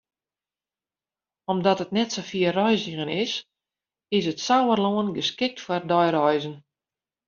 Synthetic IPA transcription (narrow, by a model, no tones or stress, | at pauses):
ɔmdɔtət̚nɛtsofiərɔjziɣənɪs | ɪs̬ətsawərloənɡəskɪk̚tfwɔrdɔjɾɔjzən